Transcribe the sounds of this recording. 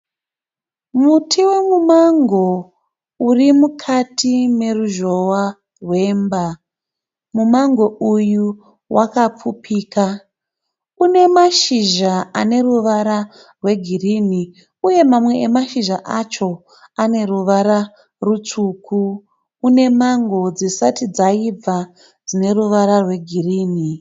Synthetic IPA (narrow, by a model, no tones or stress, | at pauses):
mutʰiwe̞mumaŋɡo̞ | urimukʰatʰime̞ruʒo̞wa | rwe̞ːmba | mumaŋɡo̞uju | wʔakap͡fupiːka | une̞maʃiʒaane̞ruʋaɾa | rwe̞ɡʱirini | uje̞mamwe̞ːmaʃiʒaʔat͡ʃo̞ | ane̞ruʋaɾa | rut͡suːkʰuː | ne̞maŋɡo̞d͡zisatid͡zaib͡va | d͡zine̞ruʋaɾarwe̞ɡʱiriːni